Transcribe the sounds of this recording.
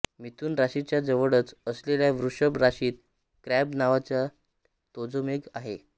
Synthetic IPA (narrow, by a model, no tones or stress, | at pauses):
mit̪uːnɾaɕit͡ɕjad͡zəʋəɽət͡səsleljaʋɾuʂəbɾaɕiːt̪̚ | kɾɛbnaʋat͡ɕja | t̪od͡zomeɡaɦe